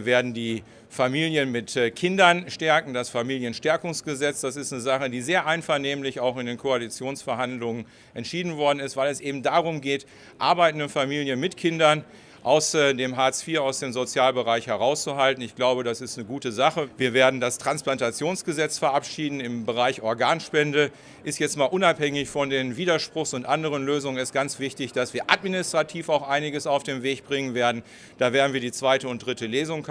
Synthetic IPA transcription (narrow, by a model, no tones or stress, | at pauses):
ɐveːɐdn̩diː | famiːljənmɪtkʰɪndɐnʃtɛɐkŋ̩dasfamiːljənʃtɛɐkʊŋsɡ̥əzɛt͡sd̥asɪstnəzaχədiːzeːɐʔaɪnfɛɐneːmlɪçaʊxɪndeːnkʰoalit͡sjoːnsfɛɐhandlʊŋən | ʔɛntʃiːdn̩vɔɐdn̩ɪstv̥aɪlɛsʔeːbm̩daːʁʊmɡeːt | ʔa̰ɐbaɪtn̩dənfamiːljənmɪtkʰɪndɐn | ʔaʊsdeːmɦaːɛt͡sfiːɐaʊsd̥eːmzot͡sjaːlbəʁaɪçhɛʁaʊst͡suɦaltn̩ɪçɡ̥laʊbədasɪstnəɡuːtəzaχəviːɐveːɐdn̩dastʁ̥ansplantat͡sjoːnsɡ̥əzɛt͡sfɛɐʔapʃiːdn̩ɪmbəʁaɪçʔɔɐɡaːnʃpɛndə | ʔɪstjɛt͡stmaːlʔʊnaphɛŋɪçfɔndeːnviːdɐʃpʁ̥ʊxsʊntʔandəʁənløːzʊŋənɛst̚ɡ̥ant͡sv̥ɪçtɪçd̥asv̥iːɐʔatminɪstʁ̥atʰiːfaʊxʔaɪnɪɡəsaʊfd̥eːmveːçb̥ʁɪŋənveːɐdn̩ | d̥aːveːɐdn̩viɐdiːt͡sv̥aɪtəʊnt̚d̥ʁɪtəleːzʊŋ